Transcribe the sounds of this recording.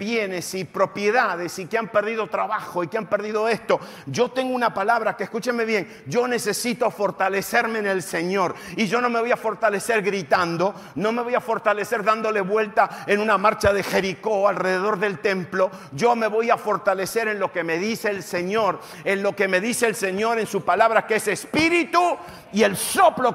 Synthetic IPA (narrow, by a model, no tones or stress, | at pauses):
pjenesipɾo̞pjeðað̞esikeampeɾðiðo̞t̪ɾaβaxo̞ikeampeɾðiðo̞est̪o̞ | ʒo̞t̪e̞ŋɡounapalaβɾakeːhskut͡ʃemeβje̞ŋ | ʒo̞ne̞sesit̪o̞fo̞ɾt̪aleseɾmeːnelse̞ɲo̞ɾiʒo̞no̞me̞βojafo̞ɾt̪aleseɾɣɾit̪and̪o̞ | no̞me̞βo̞jafo̞ɾt̪ale̞seɾðand̪o̞le̞βwe̞lt̪aenunamaɾt͡ʃaðexe̞ɾiko̞alreðeðo̞ɾðe̞lt̪e̞mplo̞ | ʒo̞me̞βo̞jafo̞ɾt̪ale̞seɾenlo̞ke̞me̞ðiseːlseɲoɾ | enlo̞ke̞me̞ðiseːlse̞ɲo̞ɾe̞nsuspalaβɾakesespiɾit̪u | ielsoplo